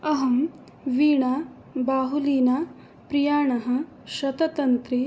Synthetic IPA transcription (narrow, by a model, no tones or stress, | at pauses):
ɐɦɐm | ʋiːɳa | baːɦuliːna | pɾijaːɳɐɦɐ̆ | ʃɐt̪ɐt̪ɐnt̪ɾi